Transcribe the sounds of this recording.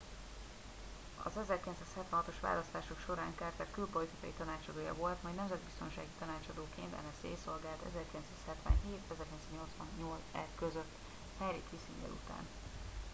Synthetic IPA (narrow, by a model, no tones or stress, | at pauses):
ɒ̰zɛzɛrkilɛnsaːshɛt̪vɛnɦɒt̪o̞ʃʋa̰ːlɒst̪aːʃokʃo̞ɾaːŋkaːrt̪ɛrkylpo̞lit̪ikɒ̰jit̪ɒnaːt͡ʃɒd̪oːjɒ̰vo̞lt̪mɛjnɛmzɛd̪̚bist̪o̞nʃa̰ːɡit̪ɒnaːt͡ʃɒd̪oːkeːnt̪ɛ̰nɛsḛːso̞lɡaːlt̪ɛ̰zɛrkilɛnsaːshɛt̪ʋɛ̰nɦeːt̪ɛzɛrkilɛnsaːɲo̞lt̪sʋɒnːolzɛrkøzøt̪ː | hɛjɾikisiɲɟɛ̰lṵt̪a̰ːn